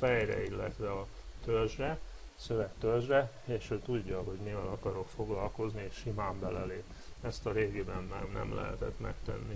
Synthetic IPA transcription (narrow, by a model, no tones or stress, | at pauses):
fɛjrɛ̰ilːɛ̰t̪ʋɛɒ | t̪ørʒrɛ | sø̞vɛkt̪ørʒrɛ | eːʃøːt̪uɟːɒɦo̞ɟmivɛlɒkɒɾo̞kfo̞ɡlɒlko̞znieʃʃimaːmbɛlɛleːp | ɛst̪ɒɾeːɡiːbɛnmɛ̰nɛ̰mlʔɛ̰ɦɛ̰t̪ɛt̪mɛ̰kt̪ɛ̰nːi